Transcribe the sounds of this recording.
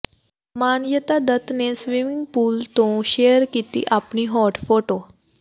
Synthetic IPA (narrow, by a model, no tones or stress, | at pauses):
manjət̪ad̪ət̪nesʋimiŋɡpuːlt̪õɕejəɾkit̪ḭːʔapɳiːɦɔʈfoʈo